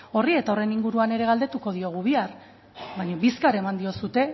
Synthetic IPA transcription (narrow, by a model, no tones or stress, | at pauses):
o̞rie̞t̪ao̞re̞niŋɡuɾuane̞ɾe̞ɣald̪e̞t̪uko̞ð̞io̞ɣuβiar | βajɲoβiskaɾemand̪io̞sut̪e̞